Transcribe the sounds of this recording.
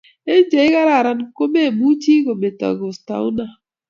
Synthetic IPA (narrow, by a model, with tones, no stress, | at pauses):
e˦d͡ʒe˨˦i˦ka˦ɾa˨ɾa˨nko˦be˦˨bu˦t͡ʃi˦ɡo˨be˨ta̰˨ɡo˨sta̰˨u˦na˨